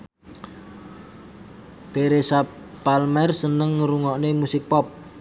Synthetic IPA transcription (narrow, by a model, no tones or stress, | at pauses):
t̪eɾesa | palmɛrsənəŋːəɾuŋɔʔnemusɪk̚pɔp̚